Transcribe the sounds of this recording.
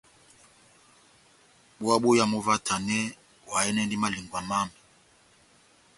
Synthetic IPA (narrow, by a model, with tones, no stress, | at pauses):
ɓwa˦ɓu˦ja˦mɔ˦va˦tʰa˨nɛ˦ | wa˨ɛ˦nɛ˦ndi˦ma˦li˨ŋɡwa˨ma˦mi˨